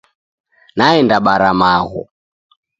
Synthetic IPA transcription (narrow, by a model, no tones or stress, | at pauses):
naɛndaɓaɾamaɣɔ̰